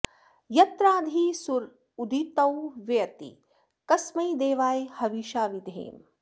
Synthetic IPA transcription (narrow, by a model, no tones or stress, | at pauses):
jɐt̪ɾaːd̪ʱiːsuɾ | ud̪ʱit̪ɐwʋɐjɐt̪ḭ | kɐsmɐjd̪eːʋaːjhɐʋiːʃaːʋid̪ʱḛːm